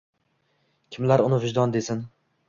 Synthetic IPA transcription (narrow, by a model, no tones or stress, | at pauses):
kʲʰɪmlaɾʊnɪvɪʒd̪ɒnd̪esɪn